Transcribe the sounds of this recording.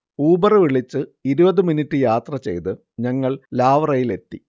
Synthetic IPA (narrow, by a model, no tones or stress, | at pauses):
uːbɐrɨʋiɭit͡ɕːɨiɾubɐðɨminitːɨjaːt̪rɐt͡ɕe̞̰jt̪ɨ | ɲɐŋːɐɭlaːʋɐrɐjile̞t̪ːi